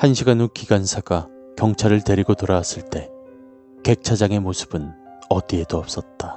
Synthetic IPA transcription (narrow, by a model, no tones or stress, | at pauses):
hanɕʰiɡanokiɡansʰaɡa | kjʌŋt͡ɕʰaɾɯɭte̞ɾiɡotoɾawas͈ɯɭt͈e̞ | ke̞k̚t͡ɕʰad͡ʑaŋe̞mosʰɯ̥b̥ɯn | ʌdie̞doʌp̚s͈ʌt̚t͈a